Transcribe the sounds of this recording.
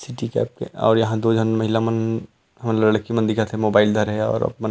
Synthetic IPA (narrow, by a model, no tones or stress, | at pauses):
sɪʈikɛ̰ːp̚kḛɔ̰ːɾjɐɦãd̪oːd͡ʒʱɐnmɐɦɪlamɐn | ɦɐmlɐɽkimɐnd̪ikat̪ʰemoːbaːɪld̪ʱɐɾɦɛɔ̰ːɾɐ̰b̚mɐn